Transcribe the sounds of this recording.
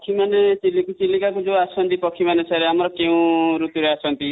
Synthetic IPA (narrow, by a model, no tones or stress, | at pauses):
kʰimanet͡ʃilːikut͡ʃilːikakud͡ʒoasɔnt̪ipɔkʰimanesʰaɾeamɔɾɔkeũɾut̪uɾeasʰɔnt̪i